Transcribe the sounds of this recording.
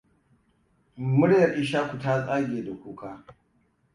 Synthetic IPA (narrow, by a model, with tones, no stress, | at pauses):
mʊ˦ɽjɐ˨rʔɪ˦ʃaː˦kʷu˨ta˦t͡sʼa˦ɡʲeː˨da˨kʷuː˨kʰaː˦